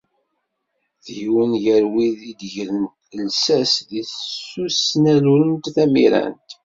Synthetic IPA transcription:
θjwənʝəɾwiðid̪ʝɾənt̪lsæsðiθsːusnæluɾənt̪θæmḭɾæ̰nt̪

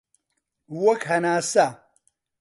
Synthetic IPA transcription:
wɐkhɐnaːsa

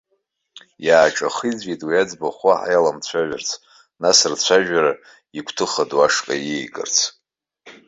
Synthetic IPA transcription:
jaːʈ͡ʂʼaχid͡zɡitʼwiad͡zbaχʷaħa̰jalamt͡ɕʷʰaʒᶣart͡sʰ | nasɨrt͡ɕʷʰaʒᶣaɾa | ikʷʰtʰɨχadwaʂkʼa̰jejkʼɨ̰rt͡sʰ

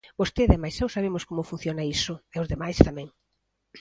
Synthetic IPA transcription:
bost̪eðɛmajsewsaβemʊskomʊfun̟θjonɐisʊɛʊzðemajst̪amɛ̃ŋ

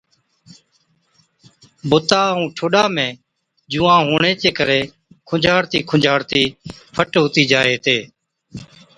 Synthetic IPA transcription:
bʊt̪aːũːʈʰoːɗaːmẽː | d͡ʒuːãːɦoːɳeːt͡ʃeːkəɾeː | kʰʊd͡ʒʱaːɽt̪iːkʰʊd͡ʒʱaːɽt̪iː | pʰəʈɦoːt̪iːd͡ʒaːeːt̪eː

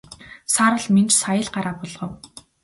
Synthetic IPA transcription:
saːɾə̆ɮment͡ɕsajə̆ɮɢaɾaːpɔɮʁ̥ɞ̆w

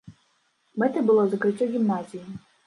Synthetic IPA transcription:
mɛt̪ɨbɨlˠɔzɐkɾɨt͡sʲːɔɣʲimnazʲiji

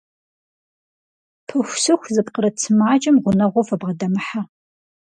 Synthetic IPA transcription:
pʰɨxʷsɨxʷzɨpqəɾɐt͡sʰɨmaːt͡ʃʼɐmʁʷʊnɐʁʷofɐbʁɐdɐmħa

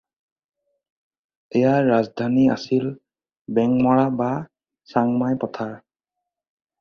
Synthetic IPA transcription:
ɛjaɹazdʱania̰sil | bɛŋmɔɹaba | saŋmajpɔtʰaɹ

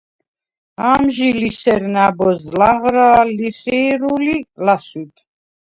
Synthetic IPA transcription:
amʒilisɛɾnabɔzlaʁɾaːliχiːɾulilaswit̪ʰ

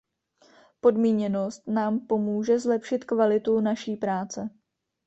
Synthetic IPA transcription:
po̞dmiːɲɛno̞st̪naːmpo̞muːʒɛzlɛpʃɪt̪kvalɪt̪unaʃiːpɾaːt͡sɛ

